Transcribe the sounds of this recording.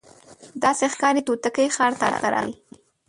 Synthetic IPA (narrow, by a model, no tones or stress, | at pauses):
d̪ɑsexkɑɾit̪ot̪əkəjxɑɾt̪at̪aɾɑ̰wi